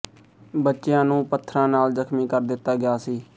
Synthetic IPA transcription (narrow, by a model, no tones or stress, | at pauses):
bətːʃɪjãːnũːpət̪ʰːɾãːnaːlzəkʰmĩːkəɾd̪ɪt̪ːaːɡɪaːsiː